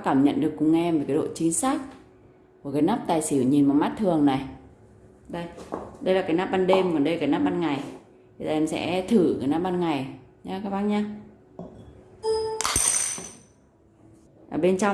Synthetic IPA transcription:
kaː˧˩mɲə̰˧˨nɗɨ˨˩əkːʊ˧ŋ͡mʔɛ˧mvə˨˩kaː˨˦ɗo̰˧˨t͡ɕi˨˦ŋsaː˦˥k̚ | ku˧˩əkaː˨˦jnaː˦˥p̚t̪aː˨˩jsi˧˩˨ɲi˨˩nma˨˩ma˦˥t̚t̪ʰɨ˨˩əŋna˨˩j | ɗə˧˩jɗə˧jlaː˨˩kaː˨˦jnaː˦˥p̚ɓaː˧nɗe˧mkɔ˨˩nɗə˧lkaː˨˦jna˦˥p̚ɓa˧nŋa˨˩j | i˧˩zaː˧ʔɛ˧msɛ̰˧˥t̪ʰɨ˧˩kaː˨˦jna˦˥p̚ɓaː˧nŋa˨˩jɲaː˨˧˦kaː˧˦wɓaː˧˦nɲaː˧ | ʔəː˧˩ɓe˧nt͡ɕa˧

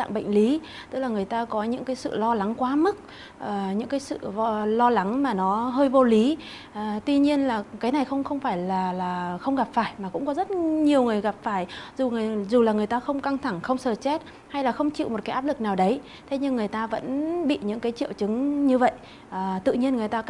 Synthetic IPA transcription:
t̪a̰ː˧˨ŋɓə̰˧˨jŋ̟li˨˦ | t̪ɨ˦˥k̚laː˨˩ŋɨ˨˩əjt̪aː˧kɔ˨˦ɲɨ̰˧˥ŋkaː˨˦jsɨ̰˧˨lɔ˧la˨˦ŋkwaː˨˦mɨ˦˥k̚ | ʔəː˨˩ɲɨ̰˧˥ŋkaː˨˦jsɨ̰˧˨vɔ˧lɔ˧la˨˦ŋmaː˨˩nɔ˨˦ɦəː˧jvo˧li˨˦ | ʔəː˨˩t̪wi˧ɲi˧ənlaː˨˩kaː˨˦jna˨˩jxə˧wŋ͡mxə˧wŋ͡mfaː˧˩jlaː˨˩laː˨˩xə˧wŋ͡mɣa˨˩p̚faː˧˩jmaː˨˩kʊ̰˧˥ŋ͡mkɔ˨˦zə˦˥t̚ɲi˨˩əwŋɨ˨˩əjɣa˨˩p̚faː˧˩jzu˨˩ŋ˨˩zu˨˩laː˨˩ŋɨ˨˩əjt̪aː˧xə˧wŋ͡mka˧ŋt̪ʰa˧˩ŋxə˧wŋ͡msəː˨˩t͡ɕɛ˦˥t̚ | ha˧jlaː˨˩xə˧wŋ͡mt͡ɕḭ˧˨wmo˨˩t̚kːa˨˦ʔaː˦˥p̚lɨ˨˩k̚naː˨˩wɗə˨˦j | t̪ʰe˨˦ɲɨ˧ŋːɨ˨˩əjt̪aː˧və̰˧˥nɓḭ˧˨ɲɨ̰˧˥ŋkaː˨˦jt͡ɕḭ˧˨əwt͡ɕɨ˨˦ŋɲɨ˧və̰˧˨j | ʔəː˨˩t̪ɨ̰˧˨ɲi˧ənŋɨ˨˩əjt̪aː˧

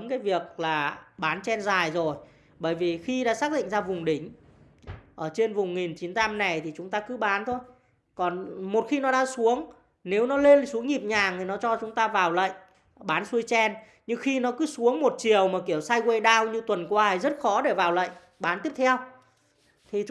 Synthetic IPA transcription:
mkaː˨˦jvi˨˩ək̚laː˨˩ɓaː˨˦nt͡ɕɛ˧nzaː˨˩jzo˨˩j | ɓəː˧˩jvi˨˩xi˧ɗa̰ː˧˥saː˦˥ɗḭ˧˨ŋzaː˧vʊ˨˩ŋ͡mɗï˧˩ŋ̟ | ʔəː˧˩t͡ɕe˧nvʊ˨˩ŋ͡mŋi˨˩nt͡ɕi˨˦nt̪a˧mna˨˩jt̪ʰi˨˩t͡ɕʊ˨˦ŋ͡mt̪aː˧kɨ˨˦ɓaː˨˦nt̪ʰo˧j | kɔ˨˩nmo˨˩t̚xi˧nɔ˨˦ɗaː˧ŋsu˨˦əŋ | ne˨˦wnɔ˨˦le˧nsu˨˦əŋɲi˨˩p̚ɲaː˨˩ŋt̪ʰi˨˩nɔ˨˦t͡ɕɔ˧t͡ɕʊ˨˦ŋ͡mt̪aː˧vaː˨˩wlə̰˧˨jŋ | ɓaː˨˦nsu˧əjt͡ɕɛ˧n | ɲɨ˧ŋxi˧nɔ˨˦kɨ˨˦su˨˦əŋmo˨˩t̚t͡ɕi˨˩əwmaː˨˩ki˧˩əwsaː˧jkwe˧ɗaː˧wɲɨ˧t̪wə˨˩nkwaː˧˨˩jzə˦˥t̚xɔ˨˦ɗe˧˩vaː˨˩wlə̰˧˨jŋ | ɓaː˨˦nt̪i˦˥əp̚t̪ʰɛ˧w | t̪ʰi˨˩

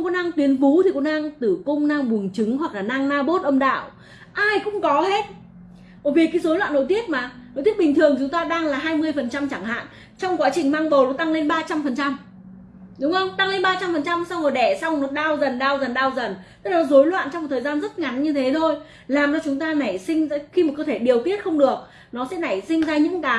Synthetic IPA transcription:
kɔ˧˦na˧ŋt̪wi˨˦ənfu˨˦t̪ʰi˨˩ko˨˧˥naː˧ŋt̪ɨ˧˩kʊ˧wŋ͡mnaː˧ŋɓu˨˩əŋt͡ɕɨ˨˦ŋɦwa˨˩k̚laː˨˩naː˧ŋnaː˧ɓo˦˥t̚ʔə˧ŋ͡mɗa̰ː˧˨w | ʔaː˧jkʊ̰˧˥ŋ͡mkɔ˨˦he˦˥t̚ | mo˨˩vi˨˩ə˩kːjzo˨˦lwa̰ː˧˨nːo̰˧˨jt̪i˦˥ət̚maː˨˩no˧˨t̪i˦˥ət̚ɓi˨˩ŋ̟t̪ʰɨ˨˩əŋtʰi˨˩t͡ɕʊ˨˦ŋ͡mt̪aː˧ɗaː˧ŋlaː˨˩ɦaː˧jmɨ˧əjfə˨˩nt͡ɕa˧mt͡ɕa˧˩ŋha̰ː˧˨n | t͡ɕɔ˧wŋ͡mkwaː˨˦t͡ɕï˨˩ŋmaː˧ŋɓə˨˩wlo˨˦t̪a˧ŋle˧nɓaː˧t͡ɕa˧mfə˨˩nt͡ɕa˧m | ɗʊ˨˦ŋ͡mʔə˧wŋ͡mt̪a˧ŋle˧nɓaː˧t͡ɕa˧mfə˨˩nt͡ɕa˧msa˧wŋɔ˨˩ɗɛ˧˩sa˧wŋ͡mnɔ˨˦ɗaː˧wzə˨˩nɗaː˧wzə˨˩nɗaː˧wzə˨˩nt̪ə˦˥lɔ˨˦zo˨˦jlwa̰ː˧˨nt͡ɕɔ˧ŋ͡mt̪ʰəː˨˩jzaː˧nzə˦˥t̚ŋa˨˦nɲɨ˧t̪ʰe˨˦t̪ʰo˧j | laː˨˩mt͡ɕɔ˧t͡ɕʊ˨˦ŋ͡mt̪aː˧na˨˧˩jsï˧ŋ̟a˧xi˧m̚˨˩kəː˧t̪ʰe˧˩ɗi˨˩əwt̪i˦˥ət̚xə˧wŋ͡mɗɨ˨˩ək̚ | nɔ˨˦sɛ̰˧˥na˧˩jsï˧ŋ̟zaː˧ɲɨ̰˧˥ŋkaː˨˦

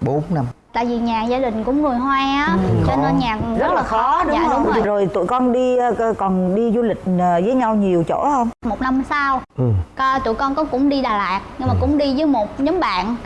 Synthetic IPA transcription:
ɓo˨˦nna˧m | t̪a̰ː˧˨jvi˨˩ɲaː˨˩zaː˧ɗï˨˩ŋ̟kʊ̰˧˥ŋ͡mŋɨ˨˩əjɦwaː˧ʔaː˨˦t͡ɕe˧ne˧nɲaː˨˩k̚zə˦˥t̚laː˨˩xɔ˨˦ɗɲa̰ː˧˨ɗʊ˨˦ŋ͡mo˧˩˨zo˨˩jt̪ṵ˧˨jkɔ˧nɗi˧kɔ˨˩nɗi˧zu˧lï˨˩k̟̚əː˨˩zəː˨˦jɲa˧wɲi˨˩əwt͡ɕo̰˧˥hə˧wŋ͡mmo˨˩t̚na˧msaː˧wʔɨ˨˩kɔ˧t̪ṵ˧˨jkɔ˧nkɔ˨˦kʊ̰˧˥ŋ͡mɗi˧ɗaː˨˩laː˨˩k̚ɲɨ˧ŋmaː˨˩kʊ̰˧˥ŋ͡mɗi˧zəː˨˦jmo˨˩t̚ɲə˨˦mɓa̰ː˧˨n

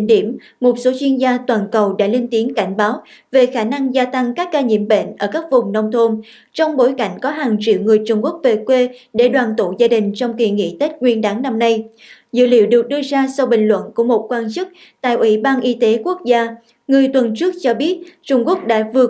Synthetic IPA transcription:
ɗi˧˩əm | mo˨˩t̚so˨˦t͡ɕwi˧ənzaː˧t̪waː˨˩nkə˨˩wɗa̰ː˧˥le˧nt̪i˨˦ənka˧˩jŋ̟ɓaː˨˦w | ve˨˩xaː˧˩na˧ŋzaː˧t̪a˧ŋkaː˦˥kːaː˧ɲḭ˧˩əmɓḛ˧˨nʔəː˧˩kaː˦˥k̚vʊ˨˩ŋ͡mnə˧wŋ͡mt̪ʰo˧n | t͡ɕɔ˧wŋ͡mɓo˨˦jka˧˩jŋ̟kɔ˨˦ɦaː˨˩ŋt͡ɕḭ˧˨əwŋɨ˨˩əjt͡ɕʊ˧wŋ͡mku˦˥ək̚ve˨˩kwe˧ɗe˧˩ɗwaː˨˩nt̪ṵ˧˨zaː˧ɗï˨˩ŋ̟t͡ɕɔ˧wŋ͡mki˧˩ŋḭ˧˨t̪e˦˥t̚ŋwi˧ənɗaː˨˦ŋna˧mna˧j | zɨ̰˧˨lḭ˧˨əwɗɨ˨˩ək̚ɗɨ˧əzaː˧sa˧wɓï˧˨˩ŋ̟lwə̰˧˨nku˧˩əmo˨˩t̚kwaː˧nt͡ɕɨ˦˥k̚ | t̪a̰ː˧˨jʔwḭ˧˩ɓaː˧nʔi˧t̪e˨˦ku˦˥ək̚zaː˧ | ŋɨ˨˩əjt̪wə˨˩nt͡ɕɨ˦˥ək̚t͡ɕɔ˧ɓi˦˥ət̚t͡ɕʊ˧ŋ͡mku˦˥ək̚ɗa̰ː˧˥vɨ˨˩ə

